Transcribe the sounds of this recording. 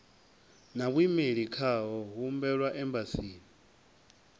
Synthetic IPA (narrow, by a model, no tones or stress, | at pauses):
naβ̬wimeɺikʰaɦɔɦumbɛɺwaʔɛmbasiːni